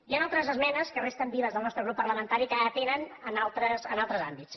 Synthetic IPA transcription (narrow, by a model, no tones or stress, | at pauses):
ianalˠt̪ɾəzəzmɛnəskərest̪əmbiβəzðəlˠnɔst̪ɾəɣɾupːəɾrləmənt̪aɾikat̪enənənalˠt̪ɾəsənalˠt̪ɾəzambits